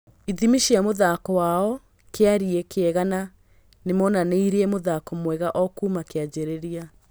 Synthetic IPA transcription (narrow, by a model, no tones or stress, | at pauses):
iðimiʃiamoðakɔwaɔ | keaɾiekeɛɣana | nemɔnaneiɾeemoðakɔmwɛɣaʔɔkuːmakead͡ʑeɾeɾia